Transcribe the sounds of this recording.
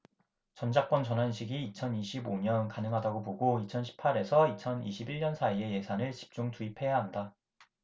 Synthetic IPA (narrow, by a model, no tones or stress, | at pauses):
t͡ɕʌnd͡ʑak͈̚wʌnt͡ɕʌnɦanɕʰiɡiːt͡ɕʰʌniɕʰiboɲʌnkanɯŋɦadaɡoboɡoit͡ɕʰʌnɕʰi̥pʰaɾe̞sʰʌit͡ɕʰʌniɕʰibiɭɲʌnsʰaie̞je̞sʰanɯɭt͡ɕi̥p̚t͡ɕ͈uŋtuipʰe̞jaɦanda